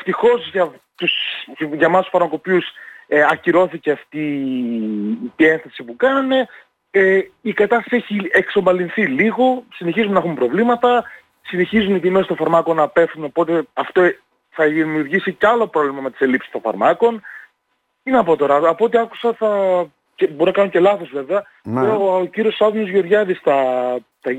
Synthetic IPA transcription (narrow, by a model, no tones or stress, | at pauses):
eft̪ixo̞zʝɐt̪usʝɐmɐst̪usfɐɾmɐko̞piusɐciɾo̞θice̞ɐft̪i | t̪ie̞nθɐsipukɐne̞ | eikɐt̪ɐst̪ɐsieçiekso̞mbɐlinθiliɣo̞sine̞çizumenɐxumpɾo̞vlimɐt̪ɐ | sine̞çizuniðimest̪õfɐɾmɐko̞nɐpe̞fθuno̞po̞t̪e̞ɐft̪o | θɐimiuɾʝisiceɐlo̞pɾo̞vlimɐme̞t̪i̥se̞lipsi̥st̪o̞ɱfɐ̰ɾmɐko̞n | t̪inɐpo̞t̪o̞ɾɐːpo̞t̪eɐku̥sɐθɐ | ceboɾonɐkɐnoce̞lɐθo̞zve̞veɐ | ciɾio̞sɐðuno̞zʝo̞ɾʝɐðist̪ɐ | t̪ɐ